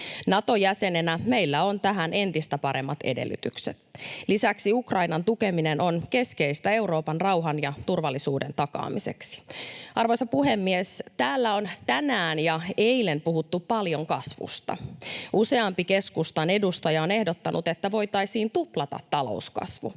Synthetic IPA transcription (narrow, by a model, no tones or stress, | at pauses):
nɑt̪o̞jæse̞nenæme̞ilːæo̞nt̪æɦænʔe̞nt̪ist̪æpɑɾe̞mːɑt̪e̞̰dḛlːy̰t̪ykset̪lisæksiukrɑinɑnt̪uke̞minenonke̞ske̞ist̪æe̞uɾo̞ːpɑnrɑwɦɑnjɑt̪urʋɑlːisuːdent̪ɑkɑ̰ːmise̞ksi̥ɑrʋo̞jsɑpuɦe̞mːiest̪æːlːæont̪ænæːnjɑeilenpuɦut̪ːuppɑljoŋkɑsʋṵst̪ɑ̰use̞ɑmpike̞skust̪ɑne̞dust̪ɑjɑone̞hdot̪ːɑnʔut̪e̞t̪ːæʋo̞jt̪ɑjsiːnt̪uplɑt̪ɑ̰t̪ːɑlo̞̰uskɑ̰sʋṵ